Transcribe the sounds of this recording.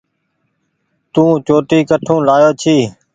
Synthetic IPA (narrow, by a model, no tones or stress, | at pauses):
t̪ũːt͡ʃoːʈiːkəʈʰũːlaːjoːt͡ʃʰiː